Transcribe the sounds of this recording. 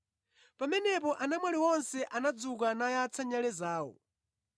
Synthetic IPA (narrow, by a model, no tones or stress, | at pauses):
pamɛnɛpɔʔanamwaliwɔnsɛʔanad͡zuk̬anajat͡sʰaɲalɛzaːwɔ̰